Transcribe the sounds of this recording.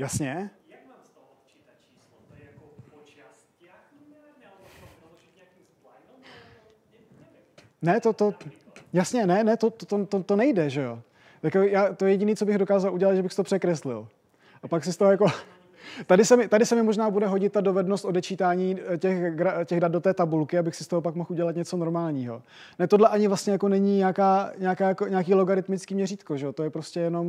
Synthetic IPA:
jasɲɛ | nɛt̪ot̪o | jasɲɛnɛnɛt̪ot̪ot̪ot̪ot̪onɛjdɛʒɛo̞ | jakojaːt̪ojɛjɛɟɪniːt͡so̞bɪɣdo̞kaːzaluɟɛlat̪ʒɛbɪxsɪt̪opr̥ɛkɾɛslɪ̰l | ʔapaksɪst̪oɦojako̞ | t̪adɪsɛmɪt̪adɪsɛmɪmo̞ʒnaːbudɛɦo̞ɟɪt̪̚ːado̞vɛdnost̪o̞dɛt͡ʃiːt̪aːɲiːcɛxɡɾacɛɣdad̪̚do̞t̪ɛːt̪abulkɪabɪxsɪst̪oɦop̬akmo̞xʔuɟɛlat̪ɲɛt͡so̞no̞ɾmaːlɲiːɦo̞̰ | nɛt̪odlɛʔaɲɪvlast̪ɲɛjako̞nɛɲiːɲaːkaːɲaakaːjakoɲaakiːloɡaɾɪt̪mɪt͡skiːmɲɛriːt̪ko̞ʒɛot̪o̞jɛpɾo̞scɛjɛno̞m

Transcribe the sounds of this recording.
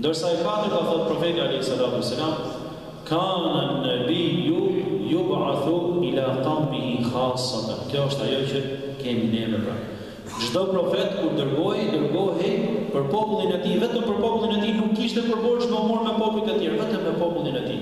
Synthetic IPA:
nd̪əɾsaɛfat̪əɾɡaθɔt̪̚pɾɔfɛt̪ialɛhisːalat̪uɛsːalam | kananːabijujubʕaθuilat̪ambiɦixasɑt̪ankjɔəʃt̪ajɔt͡ɕə | kɛminɛvəɾa̰ | d͡ʒd̪ɔpɾɔfɛt̪kuɾd̪əɾɡɔɦɛd̪əɾɡɔɦipəɾpɔpulˠinɛt̪ivɛt̪əmpəɾpɔpulˠinɛt̪inukːiʃt̪ɛpəɾbɔɾʃmɔmuɾmɛpɔpulˠit̪ət̪jɛɾvɛt̪əmːɛpɔpulˠinɛt̪i

